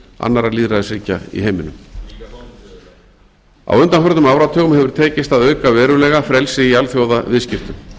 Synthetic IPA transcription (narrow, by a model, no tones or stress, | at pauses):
a̰nːaɾaliːðɾaðɪsɾiːca̰ḭɦeːjmɪnʏm | a̰wʏnt̪anfœɾðʏmaːwɾat̪ʰœːɣʏmhɛvʏɾ̥t̪ʰeːjcɪst̪aðœːɥkavɛːɾʏlɛːɣafɾɛlsɪialθjowðavɪːðscɪft̪ʏm